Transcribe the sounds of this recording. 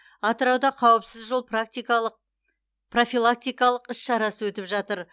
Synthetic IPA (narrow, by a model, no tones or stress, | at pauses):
ɑt̪əɾɑwd̪ɑqʰɑwəpsɪzʒolˠp̪ | pro̞fʲilˠak̚t̪ijkɑlˠəqɪsʃɑɾɑsəwɵt̪ɪpʒɑt̪əɾ